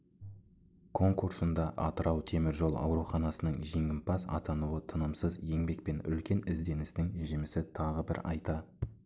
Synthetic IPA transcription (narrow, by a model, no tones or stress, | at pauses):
kʰo̞ŋkuɾsənd̪ɑʔɑt̪əɾɑwt̪ʰe̞mɪɾʒo̞lˠɑ̰wɾuχɑnɑsənəɴʒeŋʲɪmpʰɑsɑ̰t̪ɑnuwət̪ʰənəmsəzje̞ŋbe̞k̚pe̞nʏ̰lkʲe̞nɪzd̪e̞nɪst̪ɪŋʒɪmɪsɪt̪ʰɑʁəbɪɾɑjt̪ɑ